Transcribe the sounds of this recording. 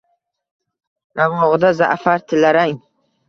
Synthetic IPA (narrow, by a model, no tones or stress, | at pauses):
namɔʁd̪aza̰ʔfaɾt̪ʰɪlaɾaŋ